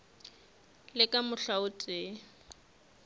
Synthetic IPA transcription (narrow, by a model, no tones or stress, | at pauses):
lɪkʼamʊɬaʊt͡sʼɪ